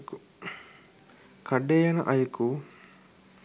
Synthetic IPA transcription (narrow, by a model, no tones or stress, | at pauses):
kʰɐɖːejɐnɐ̰ʔɐjuku